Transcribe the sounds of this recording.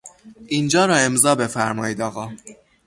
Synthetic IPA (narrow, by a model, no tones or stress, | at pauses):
ʔind͡ʒɒːɾɒːe̞mzɒːbe̞fæɾmɒːiːd̪ɒːɣɒː